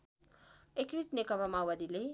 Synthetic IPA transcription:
ekɾit̪nekʌpamawwad̪ile

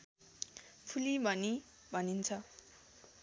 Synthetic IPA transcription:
pʰulibʱʌni | bʱʌnint͡sʰʌ

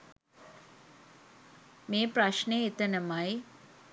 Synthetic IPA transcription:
meːpraʃneet̪ənəmaj

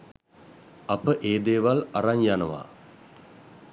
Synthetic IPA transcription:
apəʔeːd̪eːʋalaɾaɲjanəʋa̰

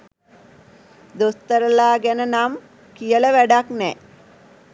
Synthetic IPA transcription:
d̪ost̪əɾəlaːɡænənam | kijələʋæɖaknɛː

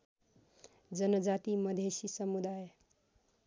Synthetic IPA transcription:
d͡ʒʌnʌd͡ʒat̪imʌd̪ʱesisʌmud̪aj

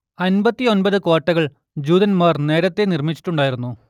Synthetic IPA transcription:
ɐnbɐt̪ːio̞nbɐðɨko̞ːʈːɐɣɐɭ | d͡ʑuːðɐnmaːrne̞ːɾɐt̪ːe̞nirmit͡ɕːi̥ʈːuɳɖaːjiɾunːu

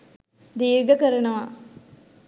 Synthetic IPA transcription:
d̪iːɾɡɐkɐɾɐɳɐʋaː

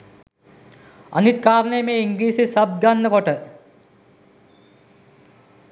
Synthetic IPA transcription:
ɐ̰nit̪̚kaːɾneːmeiŋɡliːsisɐb̚ɡanːɐkoʈːɨ

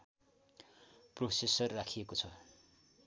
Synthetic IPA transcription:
prosesʌrːakʰijekot͡sʰʌ

